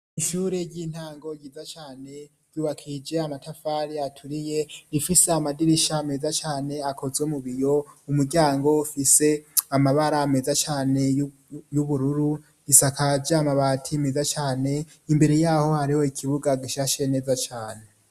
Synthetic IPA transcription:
iʃuːɾeɟiːn̥haːŋɡo̞ɟizat͡ʃaːne̞ | ɟ̥uːβakʰid͡ʒe̞amatʰafaːɾiatʰuɾije̞ifiseamadiɾiʃaːme̞ːzat͡ʃaːne̞akʰo̞zɡwemuβijo̞umuɾɟaːŋɡoufise̞amaβaɾaːme̞zat͡ʃaːne̞ | juβuɾuɾu | isakad͡ʒaamaβaːtʰime̞zat͡ʃaːne̞ | imbe̞ɾe̞jaːho̞haɾiho̞ikʰiβuɡaɡiʃaʃe̞ne̞ːzat͡ʃaːne̞

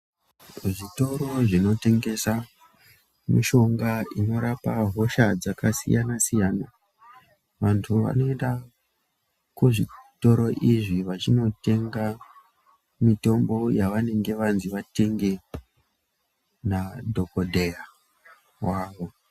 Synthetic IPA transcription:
ʐito̞ɾo̞ʐino̞te̞ŋɡe̞sa | mḭʃo̞ŋɡaino̞ɾapaɦo̞ʃad͡zakasḭjanasijaːna | ʋantʰuʋa̰no̞e̞nda | kuʐito̞ɾo̞ʔiʐiʋat͡ʃino̞te̞ŋɡa | mito̞mbo̞jaʋane̞ŋɡe̞ʋanziʋate̞ŋɡe̞ | nadʱo̞ko̞dʱeja | waːʋo̞

